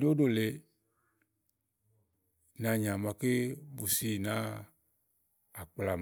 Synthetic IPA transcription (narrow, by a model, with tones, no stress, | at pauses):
ne˦o˦do˦˨le˨ | nã˨ɲã˨ma˨ke˦bu˨si˦˨nã˦ | a˨k͡pla˨m